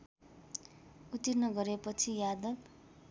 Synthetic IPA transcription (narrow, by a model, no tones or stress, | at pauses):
ut̪irnʌɡʌɾepʌt͡sʰijad̪ʌb